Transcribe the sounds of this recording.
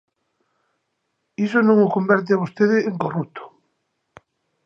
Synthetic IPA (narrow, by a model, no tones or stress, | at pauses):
isonõŋokombɛɾt̪̬ɪaβost̪eðɪːŋkorut̪ʰo̥